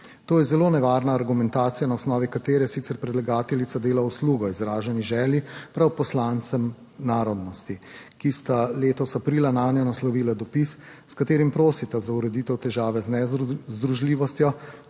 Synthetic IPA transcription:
t̪oːjɛzɛloːnɛʋaːɾnaːɾɡumɛ̃nt̪aːt̪sijanaɔsnɔːʋikat̪eːɾɛsit̪sɛɾpɾɛd̪laɡaːt̪ɛlit̪ad̪eːlausluːɡɔizɾaːʒɛniʒɛːljipɾawpɔslant̪sɛm | naːɾɔd̪nɔst̪ikist̪aleːt̪ɔsapɾiːlanaːnjɔnaslɔʋiːlad̪ɔpis | skat̪eːɾimpɾoːsit̪azauɾɛd̪it̪ɛwt̪ɛʒaːʋɛznɛzd̪ɾuʒliːʋɔst̪jɔ

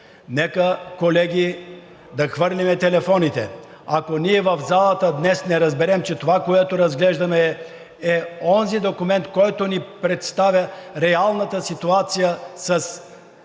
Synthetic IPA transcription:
nɛkəkolɛɡʲi | d̪ɐxvɤɾlimɛt̪ɛlɛfɔnit̪ɛ | akoniɛvɐvzalˠət̪əd̪nɛsnɛɾɐzbɛɾɛmt͡ʃɛt̪ovakoɛt̪oɾɐzɡlɛʒd̪ɐmɛː | ɔnzid̪okʊmɛnt̪kɔjt̪onipɾɛt̪st̪avʲjəɾɛalˠnət̪əsit̪uat̪sijəsɐs

